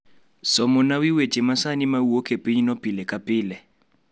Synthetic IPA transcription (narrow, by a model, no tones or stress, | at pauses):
sɔmʊnawiwe̥t͡ʃʼɪmasanimauokʰepʼiɲinopʼilɛkʼapʼɪːlɛ